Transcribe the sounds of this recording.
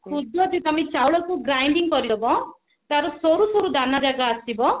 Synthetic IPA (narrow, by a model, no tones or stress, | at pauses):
kʰudɔt̪ĩt̪amit͡ʃawɭɔkuɡɾajɳɖiŋɡpɔɾid̪ɔbɔ | t̪aɾɔsɔɾusɔɾud̪anad͡ʒaɡaːst̪ibɔ